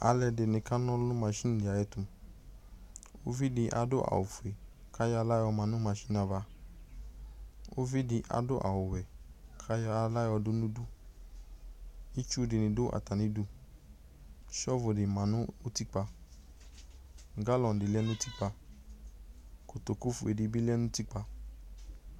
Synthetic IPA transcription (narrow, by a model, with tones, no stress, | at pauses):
a̰˧lɛ˧de˨nĩ˧ka˦nɔ̃˦lũ˦mã˧ʃi˦n˨di˨a˨jɛ˧tũ˧ | o˦vi˦di˧ʔa̰˨do˦ʔa̰˨o˨fu˨e˨ | kʰa˦jɔ˦a˧la˦ɔ˧mã˧nũ˦mã˧ʃi˦na˧ba˧ | o̰˦vi˦di˧ʔa̰˨do˦ʔa̰˨wo˨wɛ˨kʰa˦jɔ˦a˧la˦ɔ˧du˦nũ˦du˦ | i˦t͡ʃu˦di˨˧nĩ˧do˦ʔa̰˨ta˨nĩ˨˦du˧ | ʃɔ˦vo˨di˨mã˨˧˦nũ˦o˦ti˦k͡pa˧ | ŋ̩˨ɡa˦lɔ˧˨n̩˨di˨lɛ˦nũ˦ti˦k͡pa˧ | ko˨to˨ku˦fu˧e˨di˧bi˦lɛ˦nũ˦ti˦k͡pa˧